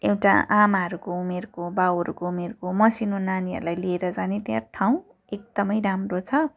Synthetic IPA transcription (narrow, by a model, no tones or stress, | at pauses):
ewʈa̰amaɦʌɾukoumerkobawʌɾukoumerkomʌsinonaniʌ̰ɾulajlieɾʌd͡zanet̪jãʈʰaw̃ | ek̚d̪ʌmʌjɾamrot͡sʰʌ